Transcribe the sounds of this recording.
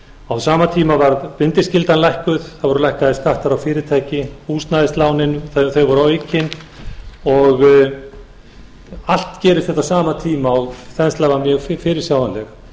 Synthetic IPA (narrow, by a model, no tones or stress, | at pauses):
awsaːmat̪ʰiːmavaɾðpɪnt̪ɪscɪlt̪anlajhkʏðθaðvɔɾʏlajhkaðɪskaht̪aɾawfɪːɾɪt̪ʰaːjcɪuːst̪naðɪst̪laːwnɪnθθœɥjɣvɔɾawecːɪn | ɔɣ | al̥t̪cɛːɾʏst̪θɛht̪asaːmat̪ʰiːmaɔɣθɛnst̪laːvamjœːɣffɪːɾɪɾ̥sjaːwðanlɛx